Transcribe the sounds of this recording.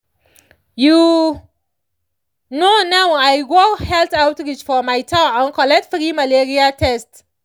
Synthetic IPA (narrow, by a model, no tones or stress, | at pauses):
ju | nonawajɡohɛltawtɹit͡ʃfɔmajtʰaãnkɔlɛk̚tfɾimaleɹiatʰɛst